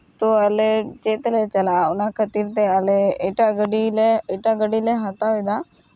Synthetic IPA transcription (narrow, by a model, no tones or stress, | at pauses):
t̪oaled͡ʒet̪let͡ʃəlaʊnakʰət̪iːɾt̪ealeeʈaɡəɽileeʈaɡəɽileɦat̪aid̪a